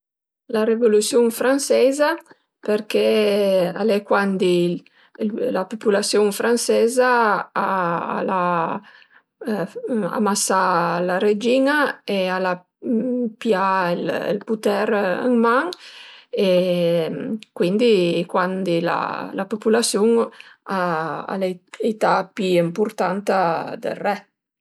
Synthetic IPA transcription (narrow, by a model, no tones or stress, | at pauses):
laɾevolusjoŋfɾansɛza | pɛɾkɛ | alɛkwand̪e | lapopulasjɔŋfɾansɛzaaa̰la | a̰masalared͡ʒiŋaɛala | pjaelə̰lput̪ɛɾə̰ŋmaŋ | e | kwind̪ikwand̪ela̰lapopulasjoŋaa̰let̪apiɛmpuɾt̪ant̪ad̪ə̰rɛ